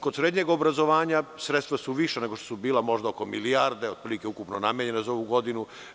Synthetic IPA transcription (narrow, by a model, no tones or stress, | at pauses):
kod̪sɾeːd̪ɲeɡobɾazo̞ʋaːɲasɾet̪st̪ʋasuʋiʃeneɡoʃt̪osubiːlˠamo̞ʒd̪aoko̞miliaɾd̪eod̪̚pɾilikeukupnonameɲe̞nazao̞ʋuɡo̞d̪inu